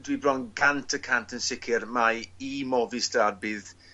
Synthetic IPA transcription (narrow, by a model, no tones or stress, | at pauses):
dwibrɔnɡantʰəkʰantʰənsɪkʰɪrmajimɔvistarbɨːð